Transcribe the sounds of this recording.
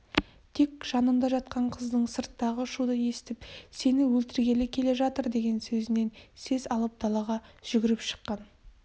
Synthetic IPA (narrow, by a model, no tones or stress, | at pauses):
t̪ʰe̞kʒ̥ɑnəmd̪ɑʒɑt̪̚qɑɴqʰəzd̪əɴsəɾt̪ːɑʁəʃud̪əje̞sɪ̥t̪ɪpse̞nɪwɵlt̪ɪɾɡʲe̞lɪkʲʰe̞le̞ʒɑt̪əɾd̪e̞ɡʲe̞nsɵzɪne̞nse̞zɑlˠəp̚d̪ɑlˠɑʁɑʒ̥ʏɡʲɪɾɪpʃə̥qːɑn